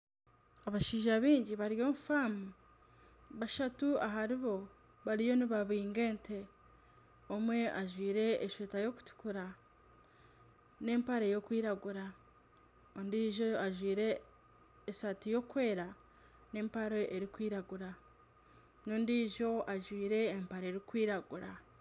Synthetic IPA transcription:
aβaʃiːʒaβiːɲɟiβaɾjo̞ːmufamu | βaʃatuaɦaɾiβo̞ | βaɾijo̞niβaβiːŋɡe̞ːntʰe̞ | omwe̞ʔaʒwiːɾe̞ːʃweːtajo̞ku̥tu̥kuɾa | ne̞ːmpaɾejo̞kwiːɾaɡuɾa | ondiːʒoaʒwiːɾe̞ː | satijo̞ːkwe̞ːɾa | ne̞ːmpaɾeʔeɾikwiːɾaɡuɾa | noːndiːʒo̞aʒwiːɾe̞ːmpaɾeɾikwiːɾaɡuɾa

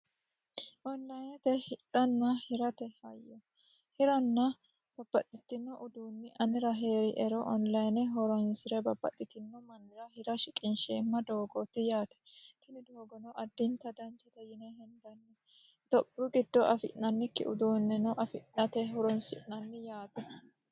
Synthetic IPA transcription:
ʔɔnlɐjnɛt̪ɛhɪt̪ʼːɐnːɐhɪɾɐt̪ɛhɐ̰jːɔ | hɪɾɐnːɐ | b̥ɐbːɐt̪ʼːɪt̪ːɪnːɔʔʊd̪uːnːɪʔɐnɪɾɐɦe̞ːɾɪʔɛɾɔʔɔnlɐjnɛɦɔɾɔnsɪɾɛbɐbːɐ̰t̪ʼːɪt̪ːɪnːɔmɐnːɪɾɐhɪɾɐʃɪkʼɪnʃɛmːɐd̪oːɡot̪ːɪjaːt̪ɛ̥t̪ɪnɪd̪oːɡɔnɔʔɐd̪ːɪnt̪ɐd̪ɐnt͡ʃɛt̪ɛjɪnɛhɛnd̪ɐnːɛ | t̪ɔbːʊɡɪd̪ːɔʔɐfɪʔnɐnːɪkːɪ̰ʔʊ̰d̪uːnːɛnɔʔɐfɪʔnɐt̪ɛɦɔɾɔnsɪʔnɐnːɪjaːt̪ɛ

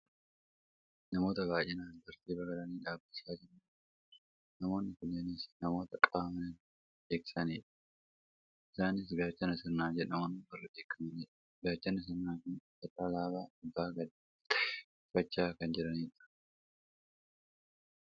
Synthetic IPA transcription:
nɐmo̞ːt̪ɐbaːjɪnaːnd̪ɐɾt̪iːbɐɡɐlɐniːᶑaːbːɐsaːd͡ʒɪɾmɐ | nɐmo̞ːnːɪkʊnːɐnisnɐmo̞ːt̪ɐkʼaːmɐnɐn | ᶑeːkɪ̥sɐniːᶑɐ̥ | ʔɪsaːnɪs̬ɡaːt͡ʃːɐnɐsɪnːaːd͡ʒɛᶑɐmonɪbɐrːɐdeːkːɐmɐniːᶑɐ̥ | ɡaːt͡ʃːɐnɐs̬ɐnːaːkʊn | ɐt̪ːaːlaːbaːɪbːaːɡɐd̪ | fɐt͡ʃːaːkɐnd͡ʒɪɾɐniːᶑɐ̥

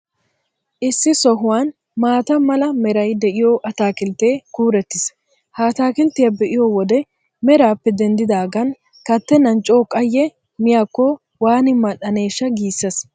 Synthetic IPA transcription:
ʔɪsːɪsɔɦʊwaːn | maːt̪ɐmɐlɐmɛɾɐjd̪ɛʔɪjoʔɐt̪aːkɪlt̪eːkuːɾɛt̪ːɪs | haːt̪aːkɪlt̪ːɪjɐbɛʔɪjowɔd̪ɛ | mɛɾaːpːɛd̪ɛnd̪ɪd̪aːɡɐn | kɐt̪ːɛnɐnt͡ʃʼːoːkʼɐjːɛ | mɪjaːkːɔ | waːnɪmɐɗɐne̞ːʃːɐɡiːsːɐs

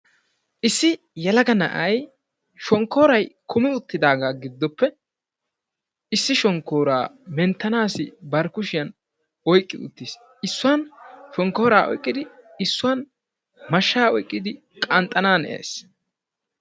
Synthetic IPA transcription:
ʔɪsːɪ | jɛlɐɡɐnɐ̰ʔɐj | ʃɔŋkːo̞ːɾɐjkʰʊmɪʊt̪ːɪd̪aːɡaːɡɪd̪ːɔpːɛ | ɪsːɪʃɔŋkːoːɾa̰ːmɛnt̪ːɐnaːsɪbɐɾkʊʃɪjɐn | ɔjkʼːɪ̰d̪ʊ̰t̪ːiːs | ɪsːʊwɐnʃɔŋkːo̞ːɾaːʔɔ̰jkʼːɪd̪ɪɪsːʊwɐn | mɐʃːaːɔjkʼːɪd̪ɪ | kʼɐnt̪ʼːɐnaːnḛːs

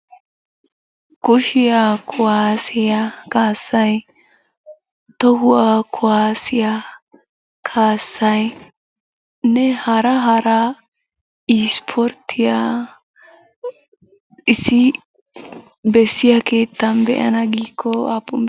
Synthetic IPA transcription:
kʊʃɪjakʰʊwaːsɪjakaːsːɐj | t̪ɔɦʊwakʰʊwaːsɪja | kʰaːsːɐj | nɛhɐɾɐɦɐɾɐ | ispʰɔɾt̪ʰːɪja | ɪsːɪ | bɛsːɪjakʰe̞ːt̪ːɐnbɛ̰ʔɐ̰nɐɡiːkʰːɔapːɔm

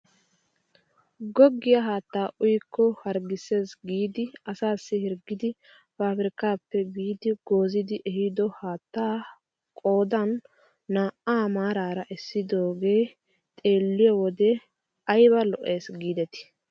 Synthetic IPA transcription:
ɡɔɡːɪjɐɦaːt̪ːaːʔʊjkːɔhɐɾɡɪse̞ːsɡiːd̪ɪɐsaːsːɪhɪɾɡɪd̪ɪ | faːfɪɾɪkaːpːɛɡiːd̪ɪɡ̥o̞ːzɪd̪ɪʔɛhɪd̪ɔhaːt̪ːaː | kʼo̞ːd̪ɐnː | aːʔaːmaːɾaːɾɐʔɛsːɪd̪o̞ːɡe̞ː | t̪ʼe̞ːlːɪjɔwɔd̪ɛ | ɐjbɐlɔʔeːsɡiːd̪ɛt̪ɪ̥

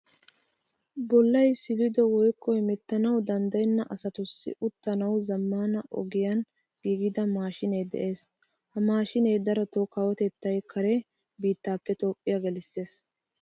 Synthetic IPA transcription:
bɔlːɐjsɪlɪd̪ɔwɔjkːɔhɪmɛt̪ːɐnɐwd̪ɐnd̪ɐjnːɐʔɐsɐt̪ʊsːɪ̰ʔʊt̪ːɐnɐwzɐmːaːnɐʔɔ̰ɡɪjɐn | ɡ̥iːɡɪd̪ɐmaːʃɪneːd̪ɛ̰ʔe̞ːs | hɐmaːʃɪneːd̪ɐɾɐt̪okawɔt̪ɛt̪ːɐjkʰɐɾɛ | biːt̪ːaːpːɛt̪o̞ːpʼːɪjaɡɛlɪsːe̞ːs

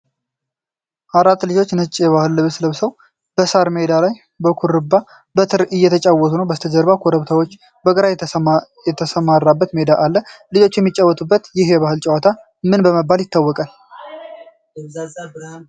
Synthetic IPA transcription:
ʔaɾat̪ːlɨd͡ʒo̞t͡ʃːnɨt͡ʃʼːjɛβahɨlːɨβɨsləβsəw | b̥əsaɾmed̪alaj | bəkʰuɾɨbːa | bət̪ʰɨɾɨjːɛt̪ʰət͡ʃʼawːɔt̪ʰunəwbəst̪ʰəd͡ʒəɾβakʰoɾəβt̪ʰawo̞t͡ʃː | bəɡʼɨɾajjɛt̪ʰəsəmarːabːət̪med̪aʔalːəlɨd͡ʒo̞t͡ʃːjɛmːit͡ʃʼːawːɔt̪ʼubːət̪jɪhjɛβahɨlt͡ʃʼɛwat̪ʰa | mɨnbəməbːaljɪt̪ːawːɔkʼal

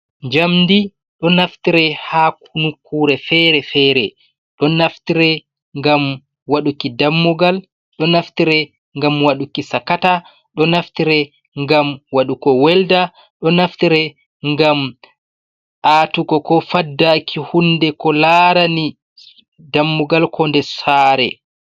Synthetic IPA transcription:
ɲd͡ʒamndi | ɗɔnaftiɾɛhakunukʰːuɾɛfɛɾɛfɛːɾɛ | ɗɔnaftiɾɛ | ŋɡam | waɗukidamːuɡal | ɗɔnaftiɾɛ | ŋɡamwaɗukisakata | ɗɔnaftiɾɛ | ŋɡamwaɗukɔwɛlda | ɗɔnaftiɾɛ | ŋɡam | ʔatukɔkɔfadːakʰihundɛkɔlaɾani | damːuɡalkʰɔndɛsaːɾɛ̰

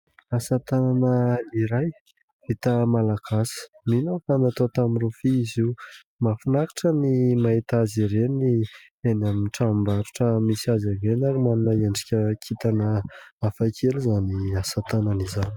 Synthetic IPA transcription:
asat̪ananəiɾaj | it̪əmalaɡasi̥ | minafanat̪ot̪amirofiiziw | mafunakḁʈ͡ʂənimaɦit̪aziɾeni | enaminʈ͡ʂambaɾuʈ͡ʂəmisiazavenaɾimanunaeɳɖ͡ʐi̥kʲəkʰit̪anəafakʰelizaniasat̪ananizani̥

